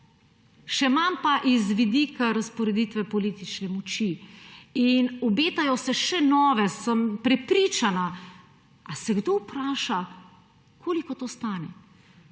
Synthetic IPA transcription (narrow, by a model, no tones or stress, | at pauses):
ʃɛmampaʔizʋid̪ikaɾaspɔɾɛd̪iːt̪ʋɛpɔliːt̪it͡ʃnɛmɔt͡ʃi | inɔbeːt̪ajɔsɛʃɛnɔːʋɛsəmpɾɛpɾit͡ʃana | asɛɡd̪opɾaːʃa | kʰoːlikɔt̪oːst̪aːnɛ